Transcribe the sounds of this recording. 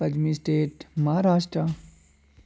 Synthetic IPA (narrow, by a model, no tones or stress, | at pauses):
pɐd͡ʒmisʈeːʈmɐɦaɾaːʃʈɾə